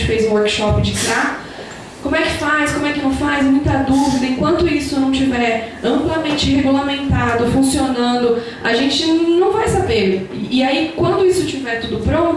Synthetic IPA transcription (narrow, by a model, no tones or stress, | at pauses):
t͡ʃɪfejzũwoɾkɪ̥ʃɔpɪ̃d͡ʒɪkɪa | kõmʊɛkɪ̥fajskõmʊɛkɪnɐ̃w̃fajzmũj̃t̪ɐd̪uvid̪ɐẽŋkwɐ̃nt̪ʊisʊnɐ̃w̃t͡ʃivɛɾɐ̃mplamẽnt͡ʃɪheɡulamẽnt̪ad̪ʊfũsionɐ̃nd̪ʊ | aʒẽnt͡ʃɪnɐ̃w̃vajsabeɾɪaikwɐ̃nd̪ʊisʊt͡ʃivɛɾt̪ud̪ʊpɾõ